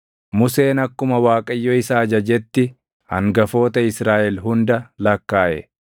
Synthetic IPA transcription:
mʊse̞ːnɐkːʊmɐwaːkʼɐjːoɪsaːd͡ʒɐd͡ʒɛt̪ːɪ | hɐ̰ŋɡɐfo̞ːt̪ɐɪsɾaːʔɛlɦʊnd̪ɐlɐkːaːʔɛ̰

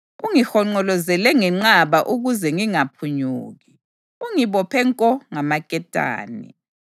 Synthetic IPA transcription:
uŋixɔŋ͡ǃɔlɔzɛlɛŋɛŋ͡ǀaβaʔuɣuzɛŋiŋapʰuɲuːɣi | uŋiβɔpʰɛŋkʼɔŋamakʼɛtʼa̰ːnḭ

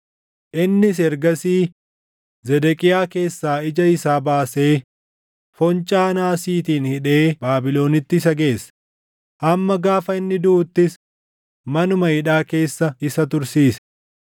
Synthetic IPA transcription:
ʔɪnːɪs̬ɛɾɡɐsiː | zɛd̪ɛkʼɪjaːke̞ːsːaːɪd͡ʒɐɪsaːbaːse̞ː | fɔnt͡ʃʼaːnaːsiːt̪iːnhɪᶑe̞ːbaːbɪlo̞ːnɪt̪ːɪs̬ɐɡe̞ːs | ʔɐmːɐɡaːfɐɪnːɪd̪ʊːt̪ːɪs | mɐnʊmɐhɪᶑaːke̞ːsːɐɪsɐt̪ʊɾsiːsɐ̥

